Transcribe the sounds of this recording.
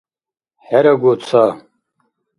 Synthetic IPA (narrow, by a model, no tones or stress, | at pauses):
ħæɾaɡʷot͡sʰa